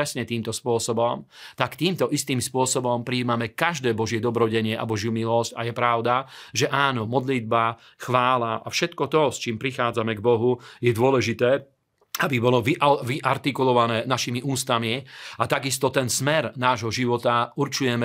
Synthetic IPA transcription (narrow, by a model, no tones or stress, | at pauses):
ɛsɲɛt̪iːmt̪ɔspʊɔsɔbɔmt̪akt̪iːmt̪ɔʔist̪iːmspʊɔsɔbɔmpɾiːmamɛkaʒd̪ɛːbɔʒɪɛd̪ɔbɾɔɟɛɲɪɛʔa̰bɔʒjumilɔsca̰jɛpɾaʊd̪aʒɛʔaːnɔmɔd̪lid̪̚ba | xʋaːlaʔa̰fʃɛt̪kɔt̪ɔst͡ʃiːmpɾixaːd͡zamɛɡbɔɦujɛd̪ʊɔlɛʒit̪ɛː | abibɔlɔʋiʔʋiʔaɾt̪ikulɔʋanɛːnaʃimiʔuːst̪amiat̪aɡist̪ɔt̪ɛnsmɛɾnaːʒɦɔʒiʋɔt̪auɾt͡ʃujɛmɛ